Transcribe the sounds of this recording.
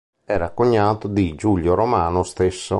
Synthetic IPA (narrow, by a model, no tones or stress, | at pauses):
ɛːɾakːoɲːaːt̪od̪id͡ʒuʎːoɾomaːnost̪esːo̰